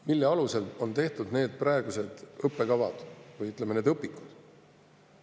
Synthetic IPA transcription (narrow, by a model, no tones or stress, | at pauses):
milːeɑluse̞lo̞nt̪e̞ht̪ud̪̥ne̞ːd̪̥̚prɑeɡ̥use̞d̪̥ɤpˑːe̞kɑvɑ̰d̪̥vɯjyt̪ˑlemene̞d̪ɤpːˑikːˑu̥d̪̥